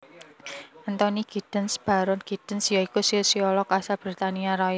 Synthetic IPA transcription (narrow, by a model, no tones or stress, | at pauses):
ʔənt̪ɔniɡ̥i̤d̥ə̤nsb̥a̤ɾʊnɡ̥i̤d̥ə̤nsjɔikusɔsiɔlɔkasab̥ɾit̪aniaɾɔjə